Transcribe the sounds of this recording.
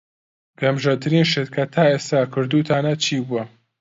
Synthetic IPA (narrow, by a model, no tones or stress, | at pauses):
ɡ̥ɐmʒɐt̪ʰɨɾiːnʃet̪kʰɐt̪ʰaːeːst̪aːkʰɨɾd̪uːt̪ʰaːnɐt͡ʃʰiːbuɐ